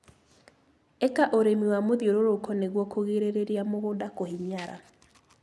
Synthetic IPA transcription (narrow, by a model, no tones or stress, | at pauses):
ekaʔoɾemiwamoðjoɾoɾokɔneɣwɔkoɣeɾeɾeɾiamoɣoːdakohiɲiaɾa̰